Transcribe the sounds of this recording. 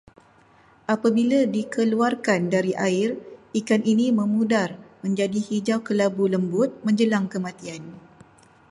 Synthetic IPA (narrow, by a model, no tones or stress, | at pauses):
ʔapabiladikəluarkandaɾiʔaɪrikaninimə̃mũdarmə̃ɲd͡ʒadihid͡ʒawkəlabuləmbʊt̪̚mə̃ɲd͡ʒəlaŋkəmãt̪ian